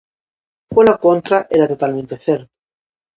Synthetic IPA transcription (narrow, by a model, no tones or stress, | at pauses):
kolakont̪ɾaʔeɾat̪ot̪almẽnt̪eθeɾ